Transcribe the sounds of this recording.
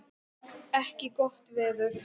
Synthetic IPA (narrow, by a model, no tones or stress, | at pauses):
ɛhcɪɡɔht̪vɛːðʏɾ̥